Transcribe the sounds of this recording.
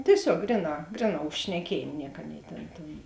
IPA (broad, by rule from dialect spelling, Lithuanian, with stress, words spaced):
tʲiɛˈsʲoːk ˈɡrʲɪˌnɑː ˈɡrʲɪˌnɑː ʊʃ ʃʲnʲɛˈkʲiɛjeːm ˈnʲiɛk ˈɑːˌnʲeːɪ ˈtʲeːn tʲeːn